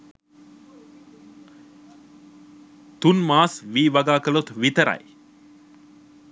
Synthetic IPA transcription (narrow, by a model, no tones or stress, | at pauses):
t̪unmaːsʋiːʋaɡaːkəlot̪ʋit̪əɾa̰j